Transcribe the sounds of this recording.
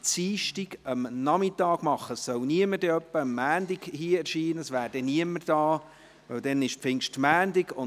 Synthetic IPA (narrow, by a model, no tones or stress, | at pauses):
t͡siːʃtiɡəmnɑmɪt̪ɑːɡ̥mɑχːəssœwniəməɾdɛœpːəəmːæːndɪɡ̥hiːɛɾʃiːnəəsʋæːɾdɛniəmːərd̥ɑː | ʋœwd̥̪ɛnɪʃpfɪŋʃtmæːndɪɡʊ